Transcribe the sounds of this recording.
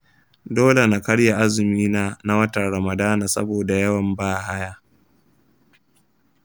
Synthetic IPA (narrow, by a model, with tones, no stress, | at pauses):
doː˦le˨na˨kɐ˦ɽja˨ʔa˦zɪ˨miː˦naː˦na˦wɐ˦ta˨ɾɐ˨mɐ˨daː˦na˨sɐ̰˦boː˨da˨jɐ˦wɐ˨mbaː˦˨ha˦jaː˦˨